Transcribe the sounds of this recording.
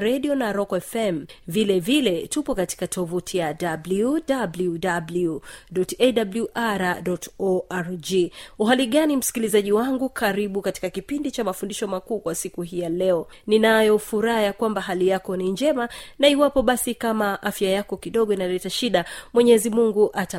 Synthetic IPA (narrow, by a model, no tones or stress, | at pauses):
ɾɛɗiɔnaɾɔkɔɛfɛmvilɛvilɛtupɔkati̥katʰɔvutʰijadabludabludabluɗɔtɛdabljuʔaɾaɗɔtɔaɾd͡ʒiuɦaliɠanim̩si̥kilizaʄiwaŋɡukʰaɾiɓukati̥kakipindit͡ʃamafundiʃɔmakuːkwasikuɦijalɛɔ | ninajɔfuɾajakwambaɦalijakɔniɲd͡ʒɛmanaiwapɔɓasikamaʔafjajakɔkiɗɔɠɔinalɛtaʃiɗamwɛɲɛzimuŋɡuʔata